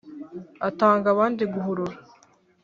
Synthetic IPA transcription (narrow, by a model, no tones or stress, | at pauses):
ataːŋɡaβaːndiɡuɦuɾuɾa